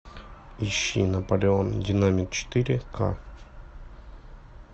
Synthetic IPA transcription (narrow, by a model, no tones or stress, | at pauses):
iɕːḭnɐpəlʲɪondʲɪnamʲik̪t͡ɕɪ̥t̪ɨɾʲɪkʰa̰